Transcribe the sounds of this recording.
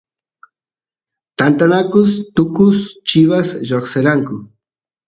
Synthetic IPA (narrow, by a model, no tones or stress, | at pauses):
t̪ant̪anakʊst̪ʊkʊst͡ʃɪβasʒoχseɾaŋkʊ